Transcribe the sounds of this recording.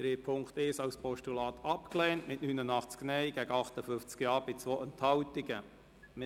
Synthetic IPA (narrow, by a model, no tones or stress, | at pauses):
d̥ɾeːpʰʊŋktɪʃɑwspʰɔʃtulɑːt̪ʰɑpklɛːntmɪʔnynənɑχt͡sknɛjɡ̥æɡəɑχtəfʏft͡skjɑːɾbɪt͡sʋoːʔɛnthɑwtɪɡə | m